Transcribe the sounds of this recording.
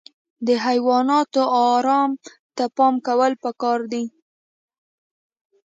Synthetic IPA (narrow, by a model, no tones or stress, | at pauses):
d̪əɦajwɑnɑt̪oɑɾɑm | t̪apɑmkawəlpəkɑɾd̪i